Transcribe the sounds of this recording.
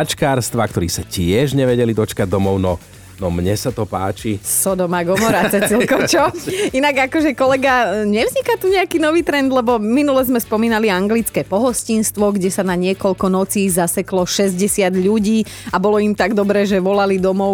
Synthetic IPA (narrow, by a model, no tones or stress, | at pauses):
t͡ʃkaːɾst̪ʋakt̪ɔɾiːsacɪɛʒɲɛʋɛɟɛlid̪ɔt͡ʃkaɟ̚d̪ɔmɔʊnɔ | nɔmɲɛsat̪ɔpa̰ːt͡ʃisɔd̪ɔmaɡɔmɔɾat͡sɛilkɔt͡ʃɔinaɡakɔʒɛkɔlɛɡaɲɛvzɲikat̪uɲɛakiːnɔʋiːt̪ɾɛnd̪lɛbɔminulɛzmɛspɔmiːnaliaŋɡlit͡skɛːpɔɦɔscinst̪ʋɔɡɟɛsanaɲɪɛkɔʎkɔnɔt͡siːzasɛklɔʃɛzɟɛsɪad̪ʎuɟiː | abɔlɔimt̪aɡd̪ɔbɾɛːʒɛʋɔlalid̪ɔmɔʊ